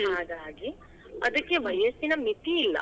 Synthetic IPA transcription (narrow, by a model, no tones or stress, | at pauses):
ɦaːd̪aːɡi | ɐd̪ɐkːeʋɐjɐst̪inɐmit̪iːlːɐ̰